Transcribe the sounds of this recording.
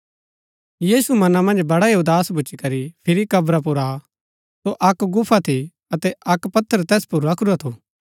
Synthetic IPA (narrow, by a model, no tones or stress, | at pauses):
jiːsumɐnamɐ̃nd͡ʒbɐɽaeod̪aːsbʊːt͡ʃikɐɾipʰɪɾikɐbɾap̬ʊɾa | soʔɐkɡʊpʰːat̪ʰi | ɐt̪ɛɐkpɐt̪ʰːəɾt̪ɛːspʊɾakɾuat̪ʰu